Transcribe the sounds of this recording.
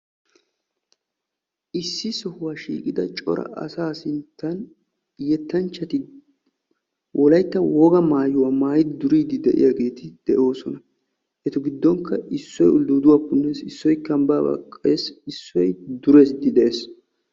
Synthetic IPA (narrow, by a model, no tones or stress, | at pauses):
ʔɪsːɪsɔhʊwaːʃḭːkʼɪd̪ɐt͡ʃʼɔ̰ɾɐ̰ʔɐ̰saːsɪnt̪ːɐn | jɛt̪ːɐnt͡ʃːɐt̪ɪ | wʔɔlɐjt̪ːɐwɔɡɐmaːjʊwaːmaːjɪd̪ɪd̪ʊɾiːd̪ɪd̪ɛʔɪ̰jaːɡe̞ːt̪ʰɪd̪̥ɛʔo̞ːsɔnɐ | ʔɛt̪ʊɡɪd̪ːɔŋkːɐɪsːɔjʊld̪uːd̪ʊwaːkːʊnːɛsɪsːɔjkɐmbaːbɐ̰kʼːeːsɪsːɔjd̪ʊɾe̞ːsd̪ɪd̪ɛʔeːs